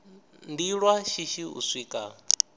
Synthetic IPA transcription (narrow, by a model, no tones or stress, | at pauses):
ndiɺwaʃiʃiṵsʷiːkʼa